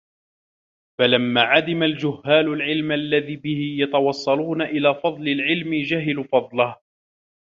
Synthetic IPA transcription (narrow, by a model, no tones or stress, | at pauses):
falamːaːʕad̪ɪmald͡ʒʊhːaːlʊlʕɪlmʔalːaðiːbɪhɪjɑt̪ɑwɑsˤːɑluːnaʔɪlaːfɑðˤlɪlʕɪlmɪd͡ʒaɦɪlfɑðˤlɑh